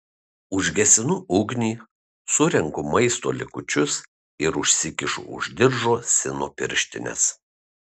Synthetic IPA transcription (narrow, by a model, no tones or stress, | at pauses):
ʊʒʲɡʲɛsʲɪnʊʔʊɡʲnʲiː | sʊɾʲɛŋkʊmɐɪst̪o̰ːlʲɪ̰kʊt͡ʃʲʊs | ɪɾʊʃʲsʲɪkʲɪʃʊ̰ʊ̰ʒʲd̪ʲɪɾʒoːsʲɪnoːpʲɪ̰ɾʲʃʲt̪ʲɪnʲɛ̰s